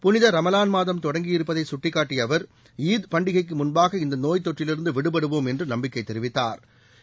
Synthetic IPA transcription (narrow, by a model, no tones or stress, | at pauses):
pʊnɪðɐɾɐmɐlaːnmaːðɐmt̪ɔɽɐŋɡɪjɪɾɯpːɐðɐɪsʊʈːɪkːaːʈːɪjɐʋɐɾ | iːðpɐɳɖɪɣɐɪkːɯmʊnbaːɣɐɪnd̪ɐnoːjt̪ːɔʈrɪlɪɾɯnd̪ɯʋɪɽɯpɐɽɯʋoːmɛndrɯnɐmbɪkːɐɪt̪ːɛɾɪʋɪt̪ːa̰ːɾ